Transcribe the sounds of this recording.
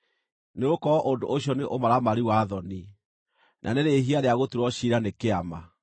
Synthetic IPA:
neɣokɔɔʔondo̰ʔoɕjɔneʔomaɾamaɾiwaðɔni | nʔa̰neɾeɦiaɾeaɣotuɾɔɕiɾanekeama

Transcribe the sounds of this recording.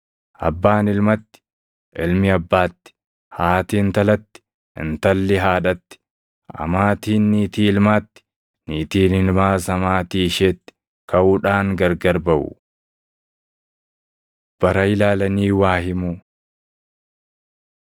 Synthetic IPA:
ʔɐ̰bːaːnɪlmɐt̪ːɪ̥ | ɪlmɪɐbːaːt̪ːɪ̥ | haːt̪iːnt̪ɐlɐt̪ːɪ̥ | ɪ̰nt̪ɐlːɪɦaːᶑɐt̪ːɪ̥ | ɐ̰maːt̪iːnːiːt̪iːɪlmaːt̪ːɪ̥ | niːt̪iːnɪlmaːsɐmaːt̪iːʃeːt̪ːɪ̥ | kɐʔuːᶑaːŋɡɐɾɡɐɾbɐʔʊ̰ | b̥ɐɾɐɪlaːlɐniːwaːhɪmu

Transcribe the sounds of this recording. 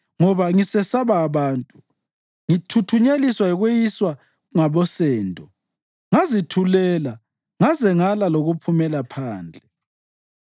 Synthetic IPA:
ŋɔβaŋisɛsaβaːβaːntʼu | ŋitʰutʰuɲeliswaiɣwejiswa | ŋaβɔsɛːndʱɔ | ŋazitʰulɛla | ŋazɛŋalaloɣupʰumɛlapʰaːnd͡ɮʱɛ

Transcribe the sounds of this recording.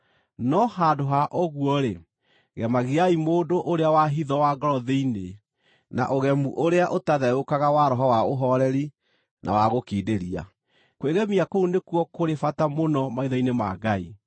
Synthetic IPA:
nɔhadoɦaʔoɣuɔɾe | ɣɛmaɣiaimoːdoʔoɾeawaɦiðɔwaɡɔɾɔðeine | na̰ʔoɣɛmuʔoɾeaʔotaðɛokaɣawaɾɔɦɔwaoɦɔɾɛɾi | nʔa̰waɣokiːdeɾia̰ | kweɣɛmiakounekwɔkoɾefatamonɔmaiðɔinema̰ɡai

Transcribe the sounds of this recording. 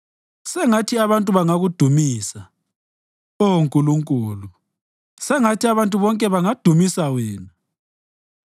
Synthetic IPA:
sɛŋatʰiaβantʼuβaŋaɣud̥ʱumiːsa | oŋkʼuluŋkʼuːlu | sɛŋatʰiaβantʼuβɔŋkʼɛβaŋad̥ʱumisawɛːna

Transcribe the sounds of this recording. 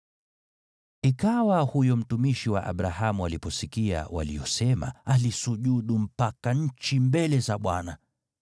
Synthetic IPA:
ikawahujɔm̩tumiʃiwa̰ʔa̰ɓɾahamualipɔsikia̰wa̰lḭjɔsɛma̰alisuʄuɗum̩pakaɲ̩t͡ʃimbɛlɛzaɓwana

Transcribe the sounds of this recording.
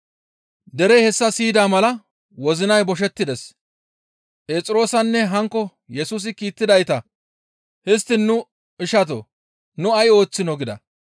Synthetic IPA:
d̪ɛɾɛhɛsːɐsiːd̪aːmɐlɐ | wɔzɪnɐjbɔʃ̬ɛt̪ːɪd̪ɛs | pʼeːt͡sʼɪɾo̞ːsɐnːɛɦɐŋkːɔ | jɛsuːs̬ɪkiːt̪ːɪd̪ɐjt̪ɐ | hɪst̪ːɪnːʊ | ɪʃɐt̪̬o̰ | nʊɐjo̞ːt͡sːɪnɔɡɪd̪ɐ̰

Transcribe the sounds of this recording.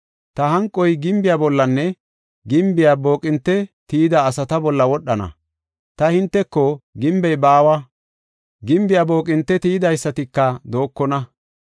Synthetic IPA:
t̪ɐɦɐŋkʼːɔjɡɪmbɪjabɔlːɐnːɛ | ɡɪmbɪjabo̞ːkʼɪnt̪ːɛt̪iːd̪aːsɐt̪ɐbɔlːɐwɔɗːɐnɐ̰ | t̪ɐhɪnt̪ːɛkːɔɡɪmbɛjbaːwɐ | ɡɪmbɪjaːbo̞ːkʼɪnt̪ːɛt̪iːd̪ɐjsːɐt̪ɪkːɐd̪o̞ːkːɔnɐ

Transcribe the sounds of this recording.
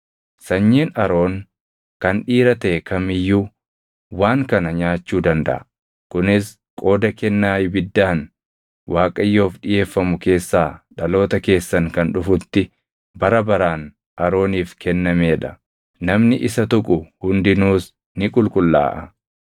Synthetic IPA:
sɐɲːiːnɐɾo̞ːn | kɐnᶑiːɾɐt̪ɐʔɛkʰɐmɪjːuː | waːŋkɐnɐɲaːt͡ʃːuːd̪ɐnd̪ɐ̰ʔɐ | kʊnɪs | kʼo̞ːd̪ɐkɛnːaːjbɪd̪ːaːn | wʔaːkʼɐjːo̞ːfɗɪje̞ːfːɐmʊke̞ːsːaːᶑɐlo̞ːt̪ɐke̞ːsːɐŋkɐnᶑʊfʊt̪ːɪ | bɐɾɐbɐɾaːn | ʔɐɾo̞ːniːfkʰɛnːɐmeːᶑɐ | nɐmnɪʔɪsɐt̪ʊkʼʊhʊnd̪ɪnuːs | nɪkʼʊlkʼʊlːa̰ːʔɐ

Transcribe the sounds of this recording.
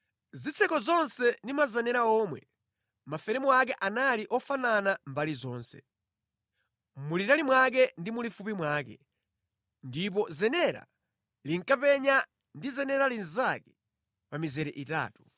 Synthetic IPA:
zit͡sʰɛkɔzɔnsɛndimazanɛɾaɔːmwɛ | mafɛɾɛmuak̬ɛʔanaliʔɔfananambalizɔːnsɛ̰ | mulitalimwak̬ɛndimulifupimwaːkɛ̰ | ndip̬ɔzɛnɛɾa̰ | liŋkapɛɲa | ndizɛnɛɾalinzakɛ | pamizɛɾɛʔita̰ːtu

